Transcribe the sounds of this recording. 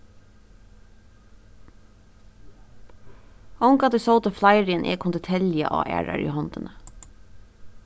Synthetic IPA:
ɔŋkɑd̪əsɔʊt̪əflɑɪɾɪənʔḛːkʰʊnd̪ɛt̪ʰɛljə̰ʔo̰ːʔæ̰ːɹɑ̰ɹʔḭːhɔnd̪̥ənə

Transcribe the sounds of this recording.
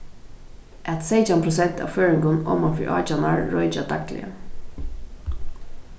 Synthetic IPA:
ʔɛt̪seɪt͡ʃanpʰɾʊs̬ɛnt̪ʰa̰ʋføːɹɪŋɡʊnɔ̰mafḭʔɑ̰ːt͡ʃanaɹːɔʏt͡ʃad̪ʰak̚t̪lɪ̰ə̰

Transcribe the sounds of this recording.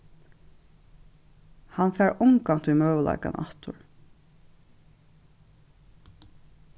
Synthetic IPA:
hanfɛːɹʊŋkaŋ̥t̪ujmœːvəla̰jka̰naht̪ʊ̰ɹ

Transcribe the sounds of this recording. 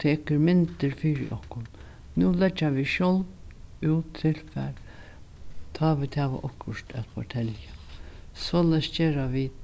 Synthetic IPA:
t̪ʰeːkəɾmɪnt̪əɾfiːɾɪ̰ʔɔhkʊn | nuːlɛd͡ʒaʋiʃjɔl | uːt̪ʰːɪlfæ̰ːɾ | t̪ʰɑːʋɪt̪hæːʋa̰ʔɔkʰːʊʂt̪æ̰t̪fʰɔʈʰɛljəsoːlɛsd͡ʒeːɾaʋi

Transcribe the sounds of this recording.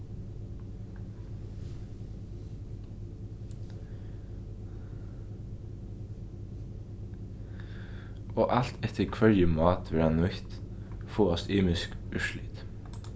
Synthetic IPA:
oːʔal̥t̪ʰɛt̪ʰəɾkʰʋœɹjəmɑːt̪ʋɪɾɑnːɔçt̪foːɔst̪iːmɪskʉʃlɪt̪

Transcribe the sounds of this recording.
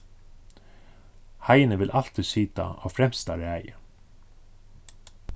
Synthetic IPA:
hɑɪənəʋɪlʔɑlt̪ʰisyːt̪a̰oːfɾɛmst̪ɑɾɛæɪə

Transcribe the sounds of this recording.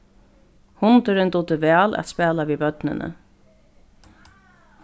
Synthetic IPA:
hʊnt̪ɪɾɪnt̪uːt̪ɪvɛːlʔæ̰t̪spɛːlaviːbœt̪nɪ̰nʔə̰

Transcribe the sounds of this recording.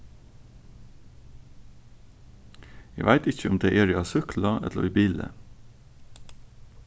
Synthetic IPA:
æʋʔæɪt̪ɪçəʊmd̪eːʔeːɾiːɑːsʏkʰlɑʔɛ̰t̪o̰iːbiːlə̰

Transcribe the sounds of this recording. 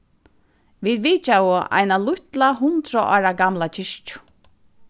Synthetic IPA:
ʋiːd̪ʋiːt͡ʃawʊʔa̰jnalʊht̪laɦʊnt̪ɾaʔa̰ːɾaɡamlat͡ʃʰɪʂt͡ʃʊ̥

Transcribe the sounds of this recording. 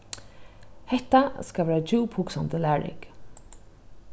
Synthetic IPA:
hɛht̪askaʋɛːɹad͡ʒuːpʰuksɔnt̪əlæːɹɪ̰k

